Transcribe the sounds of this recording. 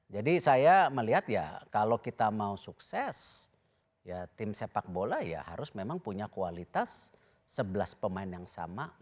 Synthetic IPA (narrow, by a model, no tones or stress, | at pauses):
d͡ʒadisajaməliɦat̪ja̰kalokit̪amausuksɛs | jat̪ɪmsepak̚bolahja̰ha̰ɾʊsmemaŋpuɲakualit̪asː | əbəlaspəmaɪnjaŋsa̰ma